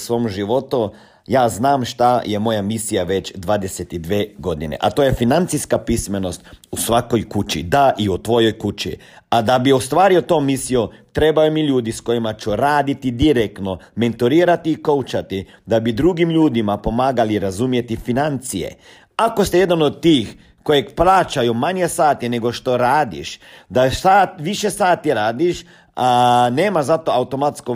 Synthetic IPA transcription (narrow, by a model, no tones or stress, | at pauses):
sʋo̞ːmʒiʋo̞t̪u | jaːznaːmʃt̪aje̞mo̞jamisijaʋe̞t͡ɕd̪ʋaːd̪e̞set̪id̪ʋeːɡo̞d̪inḛʔat̪oje̞finant̪sijskapisme̞no̞st̪usʋako̞jkut͡ʃḭd̪aʔiut̪ʋo̞jo̞jkut͡ʃḭ | ad̪abiost̪ʋaːɾiot̪o̞ːmisijot̪ɾe̞bajomiʎuːd̪isko̞jimat͡ʃuɾaːd̪it̪id̪iɾekt̪no̞ment̪oɾiːɾat̪iːkowt͡ʃat̪i | d̪abid̪ɾuɡimʎuːd̪imapo̞maːɡaliɾazumje̞t̪ifinant̪sijḛ | akost̪ijed̪anod̪̚t̪ːiːx | kojekplaːt͡ʃajumaɲjesaːt̪ine̞ɡo̞ʃt̪o̞ɾaːd̪ḭʃd̪asat̪ʋiʃesaːt̪iɾaːd̪iʃ | aneːmazat̪o̞awt̪o̞mat̪sko